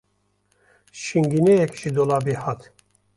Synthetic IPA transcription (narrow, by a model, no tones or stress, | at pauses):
ʃiŋɡinejɛkʒid̪olɑːbehɑt̪ʰ